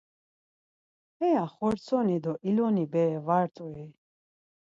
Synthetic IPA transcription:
ɛaχɔɾt̪sʰɔnid̪ɔʔilɔnibɛːvaɾt̪ʼui

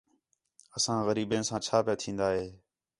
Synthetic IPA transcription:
əsãːɣəɾiːbẽːnsãːt͡ʃʰaːpeːt̪ʰĩːnd̪aːɦeː

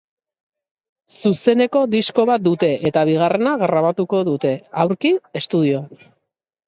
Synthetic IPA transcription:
suse̞ne̞ko̞d̪isko̞β̞at̪̚d̪ut̪e̞ʔet̪aβ̞iɣare̞naɣɾaβ̞at̪uko̞ðut̪e̞awɾkiest̪uðio̞an

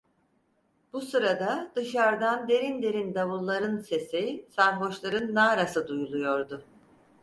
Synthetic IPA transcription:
b̥usɯɾad̪ad̪ɯʃaɾd̪and̪e̞ɾind̪e̞ɾind̪avɯlˠːaɾɯnse̞sisaɾɦo̞ʃlˠaɾɯnːaːɾasɯd̪ujulˠujo̞ɾd̪ʊ

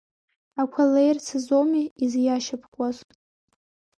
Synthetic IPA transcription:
akʷʰalejrt͡sʰɨzomiizjaʃapʰkʷʼaztʼ

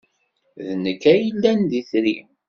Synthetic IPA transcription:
ðnəkːæjilːænd̪iθɾim

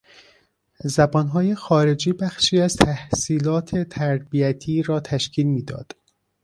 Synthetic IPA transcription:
zæbɒːnɦɒːje̞xɒːɾe̞d͡ʒiːbæxʃiːæzt̪ʰæhsiːlɒːt̪ʰe̞t̪ʰæɾbiæt̪ʰiːɾɒːt̪ʰæʃcʰiːlmiːd̪ɒ̰ːd̪̥

